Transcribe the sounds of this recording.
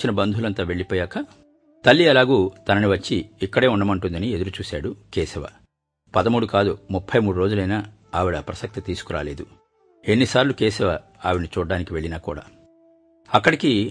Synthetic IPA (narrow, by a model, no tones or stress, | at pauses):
t͡ʃːinɐbɐnd̪ʱulɐnt̪aːʋe̞ɭːipɔːjaːkɐ | t̪ɐlːiɐlaːɡuːt̪ɐnɐniʋɐt͡ʃːiːkːɐɽe̞ːunːɐmɐɳʈund̪ɐnie̞d̪uɾut͡ʃuːsaːɽukeːsɛʋa̰ | pɐd̪ɐmuːɽukaːd̪umupʰːɐjmuːɽuɾo̞ːd͡ʒulɐjnaː | aːʋiɽɐpɾɐsɐk̚t̪it̪iːsu̥kuɾa̰ːle̞ːd̪u | enːisaːɾlukeːsɛʋa | aːʋinit͡ʃuːɖːaːnikiʋeɭːinaːkṵːɽa̰ː | ɐkːɐɽiki